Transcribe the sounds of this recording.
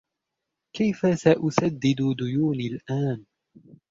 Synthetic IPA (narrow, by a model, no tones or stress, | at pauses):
kajfasaʔʊsad̪ːɪd̪ʊd̪ʊjuːniːlʔaːn